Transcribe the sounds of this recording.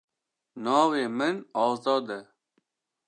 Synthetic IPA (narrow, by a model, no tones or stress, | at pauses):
naːwemenaːzɔːd̪e